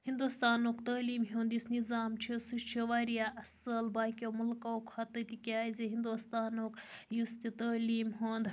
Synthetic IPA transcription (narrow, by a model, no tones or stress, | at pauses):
hind̪ust̪aːnoːkt̪ɐːliːmɦʲõːnd̪jisnizaːmt͡ʃʰisuʃt͡ʃʰiʋaːɾjaːʔɐsəlbaːkʲomulkaokʰhɐt̪ət̪ikʲaːzʲeɦind̪ust̪aːnoːk | just̪it̪ɐːliːmɦoːnd̪